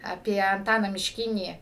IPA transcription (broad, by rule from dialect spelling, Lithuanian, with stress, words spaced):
ɐˈpʲiɛ ɐnˈtɑːnɑː mʲɪʃʲˈkʲɪnʲiː